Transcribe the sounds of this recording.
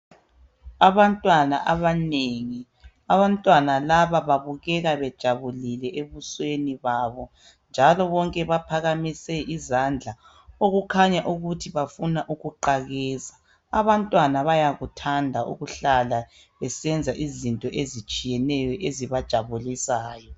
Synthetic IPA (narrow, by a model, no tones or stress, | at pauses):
aβantʼwanaʔaβaneŋi | aβantʼwanalaβaβaβuɣɛɣaβɛd̥ʒ̥ʱaβulilɛʔeβusweniβaːβɔ | nd͡ʒʱalɔβɔŋkʼɛβapʰaɣamisɛʔizand͡ɮʱa | oɣukʰaɲaʔuɣutʰiβafunaʔuɣuǃaɣɛːzḁː | βantʼwanaβajaɣutʰandʱaʔṵɣuɬala | βɛsɛnd͡zʱaʔizintʼɔʔezit͡ʃʼijɛnɛjɔʔeziβad̥ʒ̥ʱaβulisaːjɔ